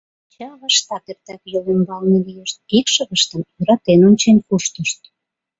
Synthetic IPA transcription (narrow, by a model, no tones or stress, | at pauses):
t͡ɕɑβə̆ʃt̪ɑt̪ert̪ækjolembɑlnelijeʃt̪̚ikʃə̆ɣəʃt̪ə̆mjøɾɑt̪enonʲt͡ɕenkuʃt̪əʃt̪